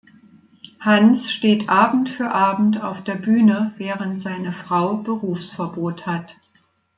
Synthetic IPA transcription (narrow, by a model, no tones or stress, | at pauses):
hansʃteːtʰʔaːbm̩tfyːɐʔaːbm̩taʊfd̥eːɐbyːnəvɛːʁəntz̥aɪnəfʁ̥aʊbəʁuːfsfɛɐboːthat